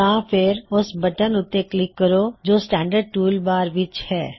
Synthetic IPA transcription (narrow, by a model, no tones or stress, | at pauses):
ãːpʰɪɾʊsbəʈənʊt̪ːeklɪkːəɾoːd͡ʒoːsʈɛ̃ːɳɖəɾɖ̚ʈuːlbaːɾʋɪt͡ʃhɛː